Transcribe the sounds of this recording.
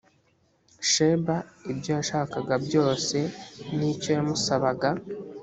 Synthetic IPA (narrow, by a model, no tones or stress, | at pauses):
ʃeːbaibjojaʃaːkaɡabjo̞ːse̞nico̞jamusaβaɡa